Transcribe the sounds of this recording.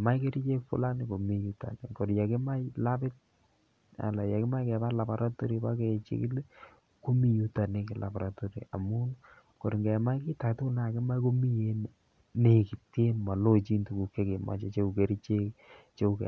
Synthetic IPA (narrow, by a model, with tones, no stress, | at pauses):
ma˦jke˦ɾi˦t͡ʃe˦kfʊ̰˦la˦nɪ˨ko˨mi˨ju˦ta̰˨kɛ˨nko˨ɾja˨kɪ˦ma˦ɪla˦pɪ˦t̚ | a̰˨la˨ja˨kɪ˦ma˦jkɛ˨pa˦la˨ba˨ɾʔa˦to˦ɾi˦ba˦kɛ˨t͡ʃḭ˦kɪ˦le˦ | ko˦mi˦ju˦ta˨ne˦kɪ˨lʔa̰˨ba˨ɾa˦to˦ɾḭ˨a˨mu˦n | ko˨ɾi˨ŋɡɛ˨ma˦jkɪ˦ta˨ktʊ˦ʊ˦lna˦a˨kɪ˦ma˦ko˦mi˦je˦n | ne˦kɪ˨te˦ma˨lo˦t͡ʃi˦ntu˨ku˨ke˦ke˨ma̰˨t͡ʃe˦t͡ʃe˦u˨ke˨ɾi˦t͡ʃe˦k | t͡ʃe˦u˨kɛ̰˨